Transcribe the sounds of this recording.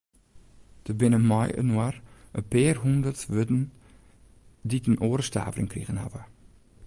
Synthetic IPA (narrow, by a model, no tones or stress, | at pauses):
d̥əbɪnəmɔjə̰nwarəpeːrɦundərtʋødn̩ | ditənʔoːɾəsta̰ːvərɪ̰ŋkrḭɣənha̰və